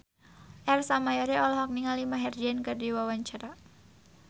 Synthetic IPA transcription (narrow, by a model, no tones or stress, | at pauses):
ʔɛrsamajɔɾeʔɔlɔɦɔk̚niŋalimaɦɛrd͡ʒiɛnkədiwawaɲt͡ʃaɾa